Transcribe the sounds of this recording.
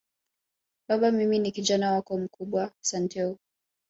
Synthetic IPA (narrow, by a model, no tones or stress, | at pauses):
ɓaɓamiminikiʄanawakɔm̩kuɓwasantʰɛɔ